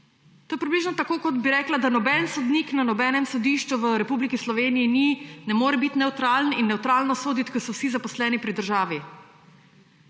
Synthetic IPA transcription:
t̪oːjɛpɾibliːʒnɔt̪akoːkɔd̪biɾɛːklad̪anɔbɛnsɔd̪niːknanɔbɛːnɛmsɔd̪iːʃt͡ʃuʋəɾɛpuːblikislɔʋeːniininɛmoːɾɛbit̪nɛwt̪ɾalninːɛwt̪ɾaːlnɔsoːd̪it̪kɔsɔwsizapɔslɛːnipɾid̪əɾʒaːʋi

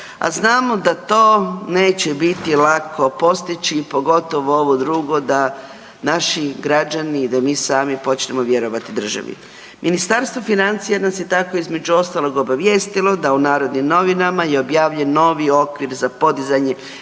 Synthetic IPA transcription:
a̰znaːmo̞d̪at̪o̞ːne̞ːt͡ɕebit̪ilakʰo̞po̞st̪it͡ɕipo̞ɡo̞t̪o̞ʋoo̞ʋod̪ɾuːɡo̞d̪a | naʃiɡɾad͡ʑaniːd̪amiːsaːmipo̞t͡ʃne̞moʋje̞ɾo̞ʋat̪id̪r̩ʒa̰ʋḭ | mʔinist̪aɾst̪ʋo̞finant̪sijanasje̞t̪ako̞izme̞d͡ʑuo̞st̪alo̞ɡo̞baʋje̞ːst̪ilo̞d̪aunaːɾo̞d̪nimno̞ʋinamajeobjaːʋʎenːo̞ːʋio̞kʋiɾzapo̞d̪izaɲe

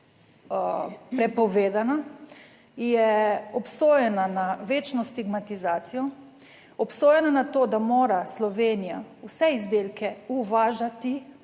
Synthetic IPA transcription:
pɾɛpɔʋeːd̪ana | jɛɔpsoːjɛnanaʋeːt͡ʃnɔst̪iɡmat̪izaːt̪sijɔ | ɔpsoːjɛnanat̪oːd̪amoːɾaslɔʋeːnija̰usɛizd̪eːlkɛuʋaːʒat̪i

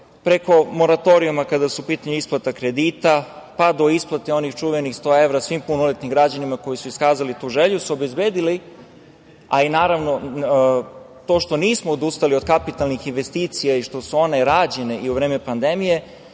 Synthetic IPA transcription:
pɾe̞ko̞mo̞ɾat̪o̞ɾiumakad̪asuupiːt̪aɲuisplˠat̪akɾed̪iːt̪apad̪o̞isplˠat̪eo̞nixt͡ʃuʋenixst̪o̞ːe̞ʋɾasʋimpunolet̪nimɡɾad͡ʑanimako̞jisuiskaːzalit̪uːʒe̞ʎusuobe̞zbeːd̪ili | ainaːɾaʋno̞ | t̪o̞ːʃt̪o̞niːsmoːd̪ust̪aliod̪kapit̪alnixinʋe̞st̪iːt̪sijaiʃt̪o̞suo̞ne̞ɾaːd͡ʑe̞ne̞ʔiuʋɾeːme̞pand̪e̞mije̞

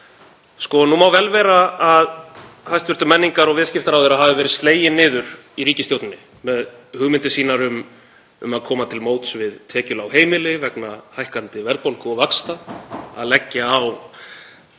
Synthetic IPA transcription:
skɔnumawvɛlvɛːɾaaðhajst̪vʏɾt̪ʏmɛnːiŋkaɾɔɣvɛːðscɪft̪aɾawðeɾaðɦavðɪvɛːɾɪðst̪leːjɪnːɪːðʏɾ̥ | iɾiːcɪsjowt̪nʏnːɪ | mɛðhʏɣmɪnt̪ɪsiːnaɾʏm | ʏ̰maðkʰɔːmat̪ʰɪlmoːwt̪svɪðt̪ʰɛːcʏlawɦeːjmɪlɪvɛknahajhkant̪ɪvɛɾðpowlkɔɣvakst̪aa̰ðlɛcːaaw

